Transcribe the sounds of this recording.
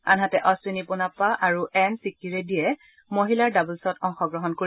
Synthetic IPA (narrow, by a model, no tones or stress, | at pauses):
anɦatɛʔɔsinipʊnapaʔaɹuʔɛnsikiɹɛdijɛ | moɦilaɹdabulsɔtɔŋxɔɡɹɔɦɔnkoi